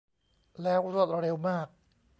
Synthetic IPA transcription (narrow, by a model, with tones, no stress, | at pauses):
lɛː˦˥wɾu˥˩ət̪̚ɾɾe˧wmaː˥˩k̚